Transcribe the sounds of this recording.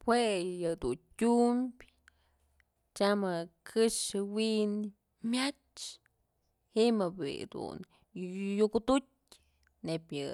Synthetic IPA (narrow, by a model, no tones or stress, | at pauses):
pwejɨd̪untʲumbʲ | t͡ʃamɨkʰɨʂɨwin | mʲjat͡ʃ | himɨbḭd̪ṵn | jukut̪ut̚ʲ | nepʲjɨ